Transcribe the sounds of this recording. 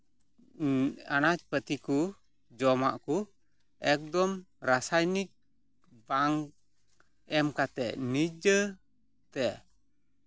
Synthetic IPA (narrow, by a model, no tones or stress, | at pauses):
anat͡ʃ̚pət̪iku | d͡ʒɔmaʔku | ɛk̚dɔm | ɾasajnik̚ | baŋ | ɛmkat̪ɛʔnid͡ʒə | t̪ɛʔ